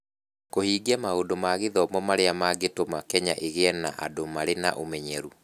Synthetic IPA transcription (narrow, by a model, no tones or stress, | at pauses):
kohiːɡiamaodomaɣeðɔmɔmaɾeamaɡetomakɛɲa̰ʔeɣeɛna̰ʔa̰domaɾena̰ʔomɛɲɛɾu